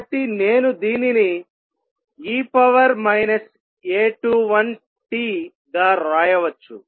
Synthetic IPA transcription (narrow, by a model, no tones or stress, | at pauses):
ʈ̪ːine̞ːnud̪iːnini | iːpɐʋɐɾmɐjnɐs | eːʈuʋɐn | ʈiː | d̪ɐɾaːjɐʋɐt͡ʃːu